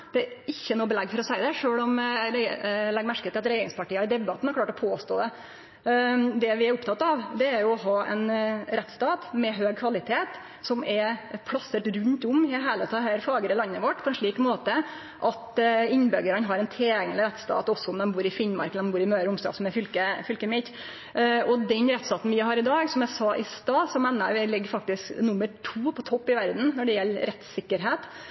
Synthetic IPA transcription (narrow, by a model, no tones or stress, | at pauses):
d̪̥ɛæɾɪçːənuːbəlɛɡːfɔɾɔsæɪd̪ɛʂøːɭɔmɾlɛɡmæɾkət̪ʰːɪlɑt̪ɾɛjeːɾɪŋspʰɑʈiːəd̪ɛbɑt̪n̩hæɾkʰlɑːʈɔpʰoːst̪o̰ːd̪ɛ | d̪ɛʋɪæɾʊpt̪ɑt̪ːɑʋd̪ɛæɾjʊɔɦɑːʔɛ̰nɾɛt̪st̪ɑːt̪mɛɦøːɡ̚kʰʋɑlɪt̪ʰeːt̪ | sɔmɛɾpʰɽɑsəʈɾʉnt̪ʊmhɪɦæːlət̪ʰɑɦæːɾfɑːɡəɾɪlɑnːəʋɔʈːpʰɔɛnʂɭiːkmoːt̪ə | ʔɑt̪ɪnːbœɡəɾənɦɑɾɛnt̪ʰeːɛŋlɪɾɛt̪st̪ɑ̰ːt̪ɔsːɔʊmd̪ɛmbuːɾɪfɪnmɑ̰ɾkəlɛmbuːɾɪmøːɾʊmst̪ɑ̰ːsɔmɛfʏlkəfʏlkəmɪt̪ | ɔd̪ɛnɾɛt̪st̪ɑːt̪n̩ʋɪɦɑːɾɪd̪ɑːɡsɔmjæɪsɑːʔɪst̪ɑːsɔmɛːnːə̰ɾʋɪlɪɡːfɑk̚t̪ɪsknʊmːəɾʈʰuːpʰɔt̪ʰɔpːɪʋæɾd̪n̩nɔɖɛjɛlːɾɛt̪sɪkːəɾɦeːt̪